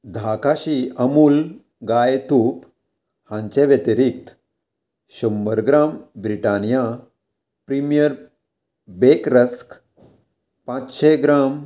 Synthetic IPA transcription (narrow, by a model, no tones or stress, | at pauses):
d̪ʱakaɕiəmuːl | ɡajt̪up | hãɲt͡ɕeʋjet̪iɾik̚t̪ | ɕumːəɾɡɾambɾiʈanija | pɾimijəɾ | bekɾəsk | pãt͡sɕeɡɾam